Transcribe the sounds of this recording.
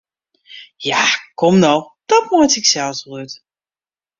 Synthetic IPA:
jakʰɔmnow | d̥ɔt̚mɔjtɪksɛlˠsblut

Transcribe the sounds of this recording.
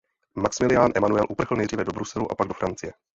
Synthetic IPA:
maksmɪlɪjaːnʔɛmanuɛlʔupr̩xl̩lnɛjdriːvɛdo̞bɾusɛluʔa̰paɡ̚dofɾant͡sɪjɛ

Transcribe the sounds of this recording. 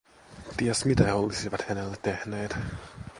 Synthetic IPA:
t̪iæsmit̪æheolisiʋɑt̪hænelːæt̪ːehneːt̪

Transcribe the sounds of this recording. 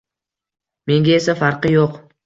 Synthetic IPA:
me̞ŋɡʲae̞safaɾqɨjoq

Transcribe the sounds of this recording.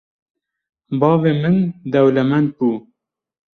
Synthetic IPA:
bɑːveːmɨnd̪ɛwlɛmɛnd̪̚buː

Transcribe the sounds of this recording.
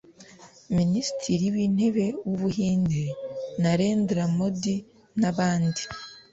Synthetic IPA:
minisi̥tiɾiwiːn̥he̞βe̞wuβuhiːndinaɾe̞ːndeɾamodi | naβaːndi

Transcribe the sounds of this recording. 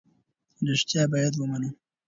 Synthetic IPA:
ɾɪʂt̪jɑbɑjad̪wəmanu

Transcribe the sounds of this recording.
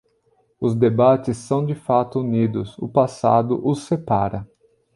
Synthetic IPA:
ʊzd̪ebat͡ʃɪsːɐ̃w̃d͡ʒɪfat̪ʊunid̪ʊsʊ̰pasa̰d̪ʊ̰ʔʊsːepaɾɐ

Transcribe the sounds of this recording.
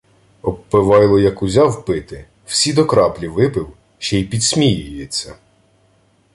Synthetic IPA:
ɔpːɪʋɑjlˠɔjɐkʊzʲɑwpɪt̪ɪ | wsʲid̪ɔkɾɑplʲiʋɪpɪw | ʃt͡ʃɛipʲid̪sʲmʲijʊjɪt͡sʲːɐ

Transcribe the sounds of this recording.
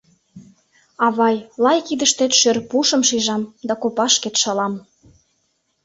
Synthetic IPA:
ɑβɑjlɑjkid̪ə̆ʃt̪et̪ʃørpuʃɤ̆mʃiʒɑmd̪ɑkopɑʃket̪ʃɑlɑm

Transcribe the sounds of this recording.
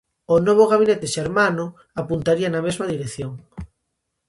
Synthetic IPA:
onoβ̞oɣaβ̞inet̪eʃeɾmano | apunt̪aɾianamezmaðiɾekθjoŋ

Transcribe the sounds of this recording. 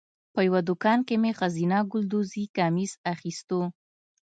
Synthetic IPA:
pəjawad̪ʊkɑnkemexazinaɡʊld̪uzikɑmizaxist̪o

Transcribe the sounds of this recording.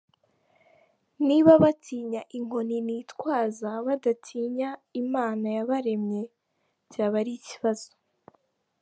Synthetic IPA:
niβaβatiːɲaʔiŋ̥o̞ninitkwaːzaβadatʰiːɲaimaːnajaβaɾe̞mɲe̞ | caːβaɾiciβaz̥o̥

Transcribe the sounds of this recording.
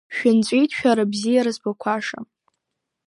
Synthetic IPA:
ʃᶣʊnt͡sʷʼijtʰʃᶣaɾabzijaɾɨzbakʷʰaʂa̰

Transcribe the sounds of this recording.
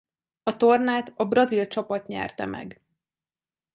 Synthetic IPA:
ɒt̪ornaːt̪ɒbrɒzilt͡ʃɒpɒt̪ɲɛ̰rt̪ɛ̰mʔɛ̰ɡ

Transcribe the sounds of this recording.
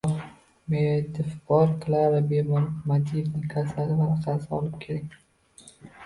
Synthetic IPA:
med̪ɪfbɒɾqʰɨlaɾɪbemmad̪ifnɪŋkʰasalɪvaʊsasɪɒlɪp̚kʲʰeɾakʲ

